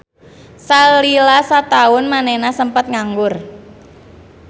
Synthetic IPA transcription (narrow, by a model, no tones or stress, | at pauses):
salilasat̪aʊnmanɛnasəmpət̪̚ŋaŋɡʊr